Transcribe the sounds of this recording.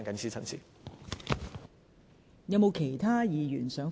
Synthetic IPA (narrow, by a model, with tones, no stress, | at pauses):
ŋkɐ˨˦nsʰiː˥t͡sʰɐ˨˧nsʰḭː˧˥ | jɐ˨˧wmo˨˧wkʰe˨˩jt̪ʰaː˥jiː˨˧jyː˨˩nsœː˨˥ŋ